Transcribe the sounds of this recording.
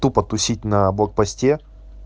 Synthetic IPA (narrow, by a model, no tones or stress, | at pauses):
t̪upɐt̪ʊsʲit̚ʲnɐblˠɐk̚pɐsʲtʲe